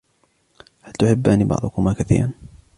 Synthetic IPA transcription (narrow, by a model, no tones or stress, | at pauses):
halt̪ʊħɪbːaniːbɑ̰ʕd̪ˤʊkʊmaːkaθḭːɾan